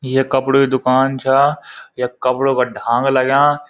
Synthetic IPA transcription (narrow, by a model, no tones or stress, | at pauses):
ɪɦekɐpɽoked̪ʊkaːnt͡ʃʰaːjakɐpɽokʰãːɖʱãːŋɡlaɡjãː